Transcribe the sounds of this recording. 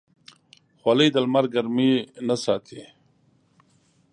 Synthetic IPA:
xwaləjd̪almaɾɡaɾminasaːt̪ʰi

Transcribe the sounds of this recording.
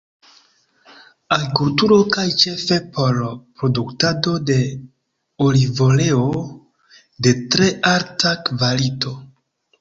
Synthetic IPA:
aɾikultuɾo̞kajt͡ʃe̞fe̞pʰo̞ɾpɾo̞duktado̞de̞ | olivo̞le̞o | de̞tɾe̞ʔaɾtʰakvalitʰo̞

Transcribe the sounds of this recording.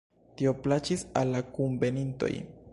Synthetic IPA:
t̪ioplat͡ʃisalːakumbenint̪o̰jn

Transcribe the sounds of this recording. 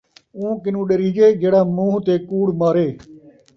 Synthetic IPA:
ũːkɪnũːɗeɾiːd͡ʒeːd͡ʒeːɽaːmũːɦt̪eːkuːɽmaːɾeː

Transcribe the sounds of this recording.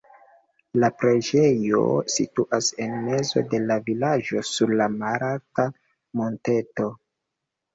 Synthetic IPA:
lapɾe̞d͡ʒe̞jo̞̰situʔase̞nme̞zo̞̰de̞lavilad͡ʒo̞suɾlamaɾalta | mo̞nte̞to̞

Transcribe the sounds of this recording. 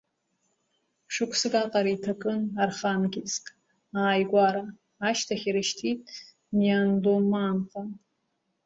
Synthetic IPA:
ʂɨkʷʰsɨkʼaqʼaɾaitʰakʼɨnarχanɡʲiskʼ | aːjɡʷaɾaː | ʃtʰaχʲiɾɨʃtʰitʼ | niandomaːntʰʼa

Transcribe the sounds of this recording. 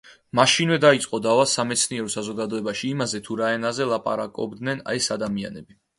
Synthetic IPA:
maʃinvɛd̪ait̪sʼqʼɔd̪avasamɛt̪sʰniɛɾɔsazɔɡad̪ɔɛbaʃiːmazɛt̪ʰuɾaɛnazɛlˠapʼa̰ɾakʼɔ̰bd̪nɛna̰ɛsad̪amianɛbi

